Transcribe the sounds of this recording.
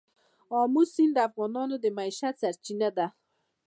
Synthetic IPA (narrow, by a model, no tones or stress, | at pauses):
ɔmusind̪afɣɔnɔnod̪emaiʃat̪saɾt͡ʃinad̪a